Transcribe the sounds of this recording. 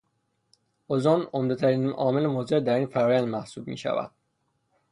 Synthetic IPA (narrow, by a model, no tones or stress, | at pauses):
ʔozonomd̪et̪ʰæɾiːnɒ̰ːme̞lemoːzeɾd̪æɾiːnfæɾɒːjænd̪mæhsuːb̚mḭːʃæ̰væ̰d̪̥